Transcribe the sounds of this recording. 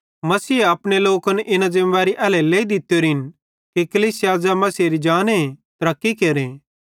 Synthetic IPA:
mɐsiːɐpɽ̃eloːkɐnʔɪnazɪ̃mʋaːɾiʔɛːlɛleːid̪ɪt̪ːjoːɾiɦɪn | kikɐliːsijaːd͡ʒamɐsiɾid͡ʒaːnet̪ɾɐkːikeːɾeː

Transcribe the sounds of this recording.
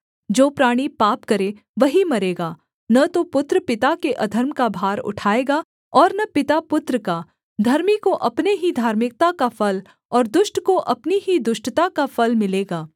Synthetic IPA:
d͡ʒoːpɾaːɽ̃ipaːpkɐɾe | ʋɐɦimɐɾeːɡaː | nɐt̪opʊt̪ɾpɪt̪akeʔɐd̪ʱəɾmkabʱaːɾʊ̰ʈʰaːeːɡa | ɔːɾnɐpɪt̪apʊt̪ɾəka | d̪ʱɐɾmikoʔɐpneɦid̪ʱaːɾmɪk̚t̪akafɐl | ɔːɾd̪ʊʃʈkoʔɐpniid̪ʊʃʈt̪akafɐlmɪleːɡaː

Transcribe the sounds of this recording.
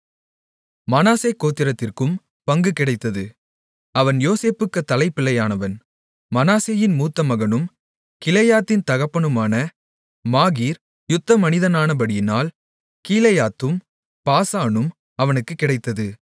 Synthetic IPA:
mɐnaːseːkːoːt̪ːɪɾɐt̪ːɪrkɯm | pɐŋɡɯkɪɽɐɪt̪ːɐðɯ | ɐʋɐnjoːseːpɯkːɯt̪ːɐlɐɪpːɪlːɐjaːnɐʋɐn | mɐnaːseːjɪnmuːt̪ːɐmɐɣɐnɯm | kɪlɐjaːt̪ːɪnt̪ɐɣɐpːɐɳɯmaːnɐ | maːɣiːɾ | jʊt̪ːɐmɐnɪðɐnaːnɐbɐɽɪjɪnaːl | kiːlɐjaːt̪ːɯm | paːsaːnɯm | ɐʋɐnɯkːɯkːɪɽɐɪt̪ːɐðɯ

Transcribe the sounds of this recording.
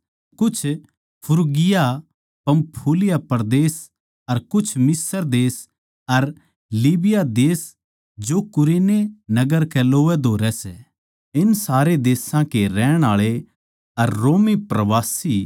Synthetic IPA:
kʊt͡ʃʰ | pʰʊɾɡɪja | pɐ̃mpʰuːlɪjapɐɾd̪eːs | ɐɾkʊt͡ʃʰmɪsəɾd̪eːs | ɐɾ | liːbɪjad̪eːs | d͡ʒokʊɾeːnenɐɡəɾkɛloːʋɛd̪ʱoːɾɛsɛ | ɪnsaːɾed̪eːsãkeɾɛːɽ̃aːɭe | ɐɾːoːmipɾɐʋaːsi

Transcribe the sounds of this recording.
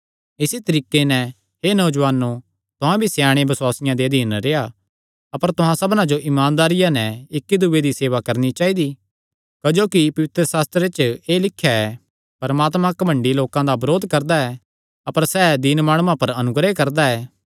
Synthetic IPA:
ɪsit̪ɐɾiːkːenɛ̃ | ɦeːnɐʊd͡ʒʋaːnːo | t̪ʊɦãbʱisjaːɽ̃ebɐswaːsɪjãd̪ed̪ʱiːnɾeːa | ɐpəɾt̪ʊɦãsɐbnãd͡ʒoʔɪmaːnd̪aːɾɪjãnɛ̃ɪkːid̪uːed̪iseːʋakɐɾnit͡ʃaːid̪i | kɐd͡ʒoːkipɐʋɪt̪ɾəsaːst̪ɾet͡ʃeːlɪkʰːjaɛ | pɐɾmaːt̪mãkɐbʱɐ̃ɳɖiloːkãd̪abɐɾoːd̪ʱkɐɾd̪aɛː | ɐpəɾsɛːd̪ɪnmaːɽ̃uãpɐɾɐnʊɡɾekɐɾd̪aɛː

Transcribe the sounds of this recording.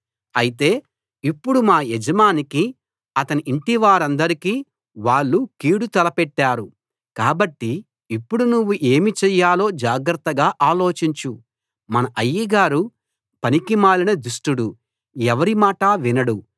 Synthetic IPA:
ɐjit̪e̞ː | ipːuɽumaːɛd͡ʒɐmaːniki | ɐt̪ɐniʔiɳʈiʋaːɾɐnd̪ɐɾikiː | ʋaːɭːukiːɽut̪ɐlɐpɛʈːaːɾu | kaːbɐʈːi | ipːuɽunuʋːuʔe̞ːmit͡ʃɛjːaːlo̞ːd͡ʒaːɡɾɐt̪ːɐɡaːʔaːlo̞ːt͡ʃiɲt͡ʃu | mɐnɐʔɐjːiɡaːɾu | pɐnikimaːlinɐd̪usʈuɽu | ɛʋɐɾimaːʈaʋinɐɽu

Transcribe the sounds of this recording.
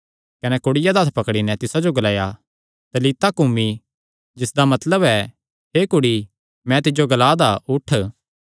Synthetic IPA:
kɐnɛkʊɽɪjad̪at̪ʰpɐkɽinɛt̪ɪsad͡ʒoɡɐlaːja | t̪ɐliːt̪akʊmi | d͡ʒɪsd̪amɐt̪ləbɛ | ɦeːkʊɽi | mɛ̃t̪ɪd͡ʒoɡɐlaːd̪aʊʈʰ

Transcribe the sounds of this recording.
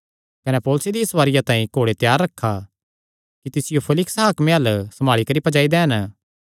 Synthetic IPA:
kɐnepɔːlʊsed̪isʋaːɾɪjãt̪ãːĩkoːɽet̪jaːɾːɐkʰːa | kit̪ɪsɪjopʰɐlɪksɦaːkmẽɐlsɐmaːɭikɐɾipɐd͡ʒaːid̪ɛːɦɐn

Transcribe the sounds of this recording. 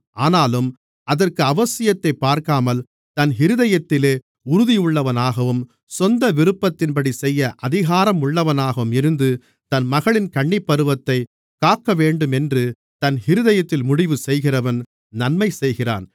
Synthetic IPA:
ʔaːnaːlɯm | ʔɐðɐrkɯɐʋɐsɪjɐt̪ːɐɪpːaːɾkaːmɐl | t̪ɐnɦɪɾɯðɐjɐt̪ːɪleː | ʊɾʊðɪjʊɭːɐʋɐnaːɣɐʋɯm | sɔnd̪ɐʋɪɾɯpːɐt̪ːɪnpɐɽisɛjːɐʔɐðɪɣaːɾɐmʊɭːɐʋɐnaːɣɐʋɯmɪɾɯnd̪ɯ | t̪ɐnmɐɣɐɭɪnkɐɳːɪpːɐɾɯʋɐt̪ːɐɪ | kaːkːɐʋeːɳɖɯmɛndrɯ | t̪ɐnhɪɾɯðɐjɐt̪ːɪlmʊɽɪʋɯsɛjɣɪrɐʋɐn | nɐnmɐɪsɛjɣɪra̰ːn

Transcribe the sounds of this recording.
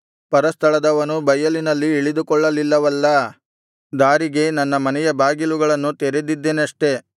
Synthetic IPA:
pɐɾɐst̪ʰɐɭɐd̪ɐʋɐnubɐjːɐlinɐlːiːɭid̪ukɔɭːɐlilːɐʋɐlːɐ | d̪aːɾiɡe̞nɐnːɐmɐnɛjɐbaːɡiluɡɐɭɐnːut̪eɾed̪id̪ːeːnɐʂʈe̞

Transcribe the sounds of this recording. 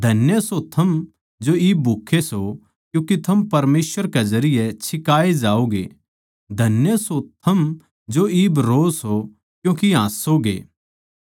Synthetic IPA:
d̪ʱɐnjəsot̪ʰɐm | d͡ʒoiːbːukʰeso | kjũːkit̪ʰɐmpɐɾmeːsʋəɾkezɐɾɪjɛt͡ʃʰɪkaːed͡ʒaːoɡḛ | d̪ʱɐnjəsot̪ʰɐm | d͡ʒoiːbɾoːso | kjũːkiɦãːsːoɡḛː

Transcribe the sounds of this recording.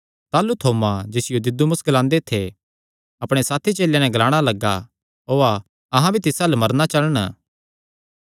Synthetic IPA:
t̪aːlut̪ʰoːmad͡ʒɪsɪjod̪ɪd̪umʊsɡɐlãːnd̪et̪ʰe | ɐpɽ̃esaːt̪ʰit͡ʃeːljanɛ̃ɡɐlaːɽ̃alɐɡa̰ | ɦoːa | ɐɦãbʱit̪ɪsɐlmɐɾnat͡ʃɐləɽ̃

